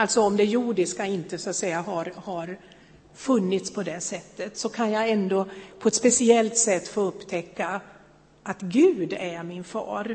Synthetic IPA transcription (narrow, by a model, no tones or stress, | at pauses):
alt̪sɔɔmd̪ɛjuːɖɪskaɪnt̪əsʊat̪sɛjːaɦaɾhaɾ | fɵnːɪt̪spʰɔd̪ɛsɛt̪ːət̪sɔkʰanjaɛnd̪opʰɔɛt̪spɛsɪɛlt̪sɛt̪ːfoːɵpːt̪ʰɛkːa | ʔat̪ɡʉ̟ːd̪æɾmɪnfɑ̰ːɾ